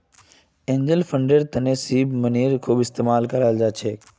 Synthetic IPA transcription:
ẽːɲd͡ʒəlfəɳɖəɾt̪ɐnẽsiːbməniːɾkʰuːbɪst̪eːmaːlkəɾaːld͡ʒaːt͡ʃʰeː

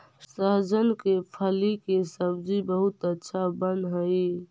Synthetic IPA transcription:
səɦd͡ʒənkepʰəlikesəbd͡ʒibəɦʊt̪ətːʃʰabənd̪ɦəi

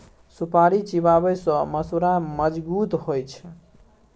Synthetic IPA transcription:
supaɾit͡ʃibabəjsʌ̃məsuɾaməd͡ʒbut̪ɦojt͡ʃʰ

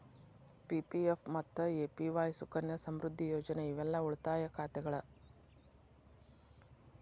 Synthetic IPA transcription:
pipiepmɐt̪ːueːpiʋaːjsukɐnjɐsɐmɾud̪ʱːijoːd͡ʒɐneiʋɛlːɐuɭt̪aːjɐkʰaːt̪ɛɡɐɭɐ

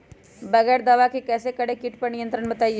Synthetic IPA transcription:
bɐɡɛːɾd̪ɐʋakikɛːsekɐɽekiʈpɐɾnijə̃nt̪ɾəɽbɐt̪aːi

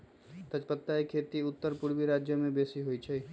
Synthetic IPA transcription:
t̪əd͡ʒpət̪ːaikʰet̪iʊt̪ːəɾpʊɾbiɾad͡ʒjəmẽbesiɦoit͡ʃʰɛ

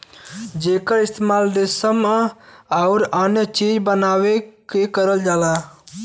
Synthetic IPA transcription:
d͡ʒeːkəɾɪst̪emaːld̪esəm | aʊɾaːnjət͡ʃiːd͡ʒbənaːwekekəɾəld͡ʒaːlaː

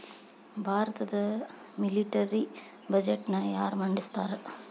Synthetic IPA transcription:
bʱaːɾɐt̪ɐd̪ɐ | mɪliʈɐɾi | bɐd͡ʒeʈːnɐjaːɾmɐɳɖist̪aːɾɐ

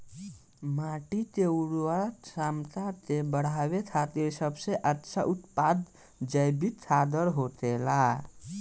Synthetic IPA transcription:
maʈit̪ewɾasamt̪at̪ebəɽ̤aβet̪ʰat̪iɾsəbsẽʔətːʃʰaʔut̪pad̪ | d͡ʒəjbit̪ʰad̪əɾɦot̪ela

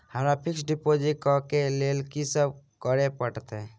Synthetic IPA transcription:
həmɾapʰɪksɖipod͡ʒiʈ̚kɔkelelkisəb̚ʱkəɾepəʈt̪ɛ̃

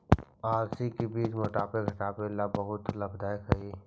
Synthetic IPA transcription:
aːɾsikebiːt͡ʃmoʈaːpeɡʱɐʈaːpelabɐɦʊt̪lɐbd̪aːjkɐiː

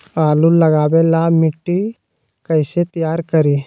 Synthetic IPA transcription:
aːlulɐɡaːʋeːlamiʈːi | kɐjset̪ɐjaːɾkɐɾi

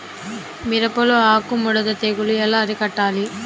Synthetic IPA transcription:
miɾɐpɐloaːkumuɽɐd̪ɐt̪eɡuluɛlaːɐɾikɐʈːaːli

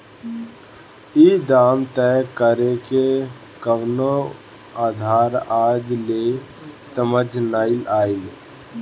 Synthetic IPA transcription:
id̪aːmt̪ɛkəɾeke | kəʋno | aːd̪ʱaːɾaːd͡ʒle | səməd͡ʒʱnaːɪlaːil

